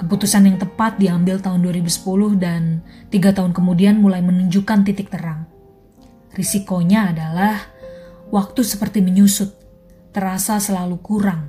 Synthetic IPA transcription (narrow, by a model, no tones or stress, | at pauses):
kəput̪usanjaŋt̪əpat̪̚diambɪlt̪aɦʊnduaɾibusə̥pulʊhdant̪iɡat̪aɦʊnkəmudianmulajmənuɲd͡ʒukant̪it̪ɪk̚t̪əɾaŋ | risikoɲaːdalahwak̚t̪usəpərt̪iməɲusʊt̪̚ː | əɾasasəlalukuɾaŋ